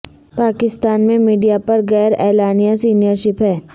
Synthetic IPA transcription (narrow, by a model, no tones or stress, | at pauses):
paːkɪst̪aːnmẽmiːɖijapɐɾɡɛːɾɛːlaːnijasiːnijəɾʃɪpɦɛː